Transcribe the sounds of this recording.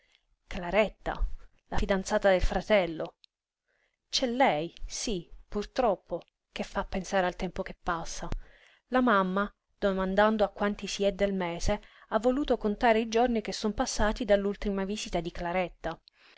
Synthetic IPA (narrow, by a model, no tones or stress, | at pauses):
klaɾɛt̪ːa̰ | lafid̪ant̪saːt̪ad̪elfɾat̪ɛlːo | t͡ʃɛlːɛjsipurt̪ɾɔpʰːo | k̟efːapːensaːɾealt̪ɛmpokepːasːa | lamamːa | d̪̥omand̪and̪oakːwant̪isiɛd̪ːelmɛːzeavːoluːt̪okont̪aːɾeid͡ʒornik̟esːompasːaːt̪id̪alːult̪imaviːzit̪ad̪iklaɾɛt̪ːa